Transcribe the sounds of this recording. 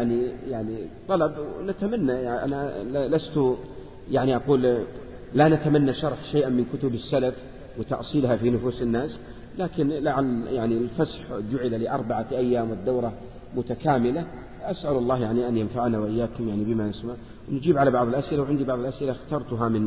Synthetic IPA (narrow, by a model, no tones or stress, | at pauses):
aʕnijaʕnit̪ˤːɑlɑbnat̪amanːajʔa̰nalast̪ʊ | jaʕniʔaquːl | lanat̪amanːaʃɑɾˤħʃeːʔamɪnkʊt̪ʊbɪsːalaf | wɪt̪ɑ̰ʔsˤiːlɦafinʊfuːsɪnːaːs | laːkɪnlaʕalːjaʕnilfasħd͡ʒʊʕɪlalɪʔɑ̰ɾˤbaʕaʔajːaːmwɪd̪ːawɾˤɑ | mʊt̪akaːmɪla | ʔasʔalɑlˤːɑːɦjaʕniʔanjanfaʕnawʔɪjːaːkʊmjaʕnibɪmaʔɪsmaʕ | wnd͡ʒiːbʕalabɑʕðˤɪlʔasʔɪlawʕɪnd̪ibɑʕðˤɪlʔasʔɪlaxt̪ɑːɾˤt̪ʊɦamɪn